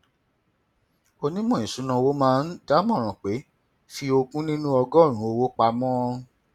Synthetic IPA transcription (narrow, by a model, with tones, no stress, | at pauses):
o˧nĩ˦mɔ̃˦˨ĩ˨sũ˨˦nã˧wo˨˦mãː˦n̩˦da˦mɔ̃˦˨ɾ̃ɔ̃˨k͡pe˨˦ | fi˧o˧kũ˦nĩ˦nũ˦ɔ˧ɡɔ˦˨ɾ̃ũ˨˦o˧wo˦k͡pa˧mɔ̃˦˧ũ˧